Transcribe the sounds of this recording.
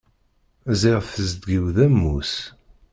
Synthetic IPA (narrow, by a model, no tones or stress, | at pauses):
ziʁθəzd̪ɡiwðæmːus